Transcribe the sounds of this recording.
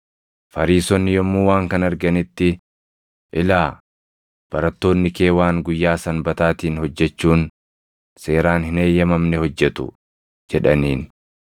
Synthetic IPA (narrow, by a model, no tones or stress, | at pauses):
fɐɾiːsɔnːɪjɔmːuːwaːŋkɐnɐɾɡɐnɪt̪ːɪ | ʔɪlaː | b̥ɐɾɐt̪ːo̞ːnːɪke̞ːwaːŋɡʊjːaːsɐnbɐt̪aːt̪iːnhɔd͡ʒːɛt͡ʃːuːn | se̞ːɾaːnhɪne̞ːjːɐmɐmnɛhɔd͡ʒːɛt̪ʊ̰ | d͡ʒɛᶑɐniːn